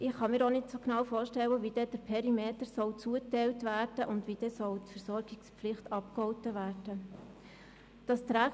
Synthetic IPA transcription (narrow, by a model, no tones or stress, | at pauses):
ʔɪχχɑmiːɾonɪtsoknɑːwfoːɾʃtɛwəʋid̥ɛd̥əɾpʰɛɾimeːtəɾsɔwt͡suətɛɪltvæːɾd̥əʔʊndʋid̥ɛsɔwtfəɾsɔɾɡɪkspflɪχtɑpkhɔʊtəʋæːrd̥ə | d̥ɑst̪ɾæ